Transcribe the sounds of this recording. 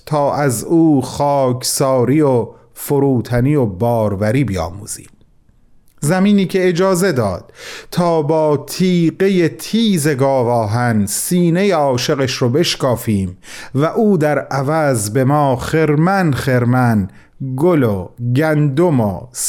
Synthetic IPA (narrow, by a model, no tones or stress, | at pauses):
t̪ʰɒːʔæzuːxɒːkʰsɒːɾiːo | foɾuːt̪ʰænijobɒːɾvæɾiːbijɒ̰ːmṵːz̥ḭːm | zæmiːniːcʰe̞ed͡ʒɒːze̞d̪ɒ̰ːd̪̥t̪ʰɒːbɒːt̪ʰiːɢe̞je̞t̪ʰiːze̞ɡɒːvɒːɦænsiːne̞jeɒːʃe̞ɣeʃɾobe̞ʃkɒːfiːmvæʔuːd̪æɾʔævæzbe̞mɒːχeɾmænχeɾmæn | ɡoloɟænd̪omo̰s